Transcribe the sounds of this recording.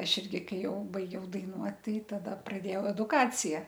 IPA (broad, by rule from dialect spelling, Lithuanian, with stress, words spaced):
ˈɐʃ ˈɪrʲɡʲɪ ˈkɐɪ ˈjɛʊ bɐɪˈɡʲɛʊ dɐɪˈnuɔt ˈtɐɪ ˈtɑːdɐ prɐˈdʲeːjɛʊ ɛdʊkˈɑːt͡sʲɪjɛ